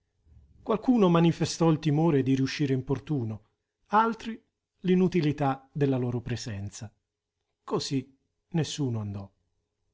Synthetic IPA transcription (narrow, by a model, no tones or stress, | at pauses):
kwalkuːnomanifest̪ɔilt̪imoːɾed̪iɾiuʃːiːɾeimport̪uːno | alt̪ɾi | linut̪ilit̪ad̪elːalɔːɾopɾezɛnt̪sa | kozi | nesːuːnoand̪ɔ